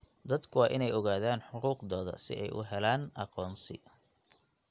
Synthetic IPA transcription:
d̪ɐd̪kʰʊwɑːʔɪnɛjɔɣaːðaːnħʊquːqðɔːðɐ̰sɪ̰ʔɛjʔʊ̰ɦɛlaːnʔɑqɔːnsɪ̰

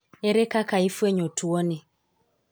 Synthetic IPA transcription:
ɛɾɛkakaifuɛɲɔtuɔnɛ

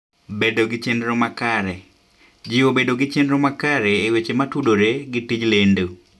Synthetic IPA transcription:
bedoɡɪt͡ʃendɾomakaɾɛ | d͡ʒiobedoɡɪt͡ʃendɾomakaɾeːwet͡ʃematudoɾeɡɪtid͡ʒlendo

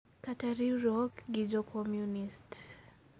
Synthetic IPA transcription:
kataɾiɾɔkɡid͡ʒɔkʰɔmjunist

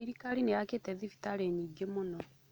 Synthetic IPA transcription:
iɾikaɾinejaketɛðifi̥taɾeɲiɡemunɔ

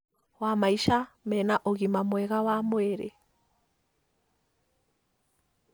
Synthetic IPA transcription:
wamaiʃamɛnaʔoɣimamwɛɣawamwɛɾɛ̰

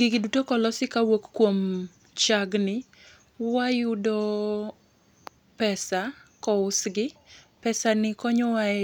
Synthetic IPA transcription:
ɡɪɡɪdutokɔlɔsɪkawokːwom | t͡ʃaɡnɪ | wajʊdɔ | pɛsakɔʊsɡɪ | pɛsanɪkɔɲɔwa

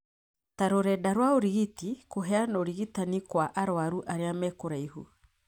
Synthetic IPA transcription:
taɾoɾɛdaɾwaoɾiɣitikoɦɛanooɾiɣitanikwaʔaɾwaɾuʔaɾeamɛkoɾaihṵ

